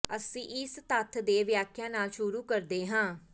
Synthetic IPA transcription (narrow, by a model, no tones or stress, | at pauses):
əsĩːʔɪst̪ət̪ʰd̪eːʋjaːkʰjãːnaːlʃʊɾuːkəɾd̪eːɦãː